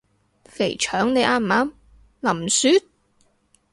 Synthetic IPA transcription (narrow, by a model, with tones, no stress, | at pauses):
fe˨˩jt͡ʃʰœː˨˥ŋne˨˧jʔaː˧m˨aː˨˥m | lɐ˨˩msyː˧˥t̪̚